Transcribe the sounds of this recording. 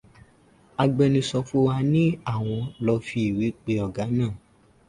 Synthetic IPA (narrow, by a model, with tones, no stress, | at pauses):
a˧ɡ͡bɛ˧nĩ˧sɔ˧fu˦wa˧nĩ˦a˦˨w̃ɔ̃˧lɔ˧fi˧i˨wi˨˦k͡pe˧˦ɔ˨ɡa˨˦nãː˦˨